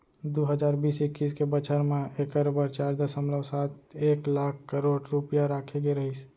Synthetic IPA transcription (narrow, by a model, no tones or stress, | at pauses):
d̪oɦəd͡ʒaːɾbiːsɪkːiːskebət͡ʃʰəɾmẽeːkəɾbəɾt͡ʃaːɾd̪əsəmləʋsaːt̪eːklaːkʰkəɾoːɖɾupjaɾaːkʰeɡeɾəɦis